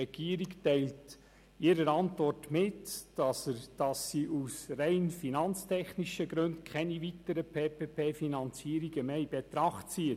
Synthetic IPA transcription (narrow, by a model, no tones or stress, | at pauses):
ɛɡ̥iːəɾiktæɪlt | ɪːɾəɾɑntvɔrtmɪtd̥ɑsəd̥ɑsːiʔusrɛɪnfinɑnt͡stʰɛχniʃəɡɾɵntkʰχɛnivitəɾəpʰeːpeːpʰeːfinɑnt͡siːəɾiɡəmeːibet̪ɾɑχtt͡siə